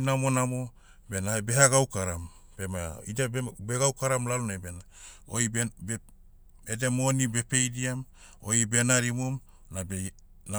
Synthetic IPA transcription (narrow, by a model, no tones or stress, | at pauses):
namo̞namo | benahabeɦaɡawkaɾam | b̥emaidabeɡawkaɾamlalunabena | o̰i | edemo̞nibe̞pe̞jdiam | oibe̞naɾimum | nabe | na